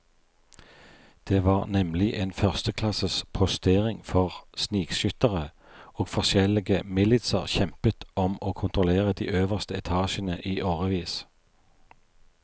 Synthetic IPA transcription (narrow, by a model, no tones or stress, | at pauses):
d̪̥eːʋɑːʁnɛmlɪʔeːnfœʁst̪əkʰlɑsəspʰɔst̪eːʁɪŋfɔʁsniːɡʃʏt̪əʁə | oːɡfɔʃɛlɪɡəmɪlɪt̪sə̰ʁçɛmpət̪ɔmoːkʰʊnt̪ʁʊleːʁəd̪ḭːʔøːʋəʁst̪əɛt̪ʰɑːʃənəʔiːʔoːʁəʋiːs